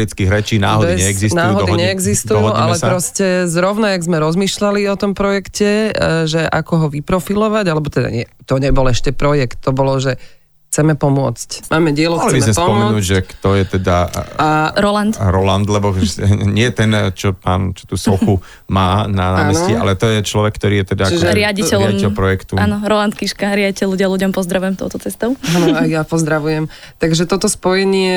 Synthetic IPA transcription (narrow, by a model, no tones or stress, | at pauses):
ɾit͡skiɣɾɛt͡ʃiːna̰ːɦɔd̪iɲɛɛɡzisnaːuːɦɔd̪ɔiɲɛɛɡzist̪d̪uɔɦɔuʔa̰llɛpɾɔscɛzɾɔʊnaaɡzmɛɾɔzmiːʃlaliɔt̪ɔmpɾɔjɛkcʰɛʒɛʔakɔɦɔʋipɾɔfilɔʋaɟalɛbɔt̪ɛd̪a̰ɲɪɛt̪ɔɲɛbɔlɛʃcɛpɾɔjɛkt̪ːɔbɔlɔʒɛ | xt͡sɛmɛpɔmʊɔt͡scmʔaːmɛɟɪɛluɔxlt͡siɛbismɛmɛspɔpɔmɛnuːʒɛkt̪ɔjɛt̪ɛd̪aaɾɔlant̪ɾɔland̪lɛbɔɲɪɛt̪ɛnt͡ʃɔpaːnt͡ʃɔ̥t̪uːsɔxu | maːnanaːmːɛsiʔa̰lɛt̪ɔjɛt͡ʃlɔʋɛkːt̪ɔɾiːjɛt̪ɛd̪aʒɛɾɪaɟiɛlaɟicɛlpɾɔjɛkt̪uanɔɾɔlant̪kiʃkaɾɪaɟicɛluɟɪaluɟɔmpɔzd̪ɾaʋujɛmt̪ɔ̰ʊt̪ɔt͡sɛst̪ɔʊanɔajjapɔzd̪ɾaʋujɛm | t̪aɡʒɛt̪ɔt̪ɔspɔjɛɲɪɛ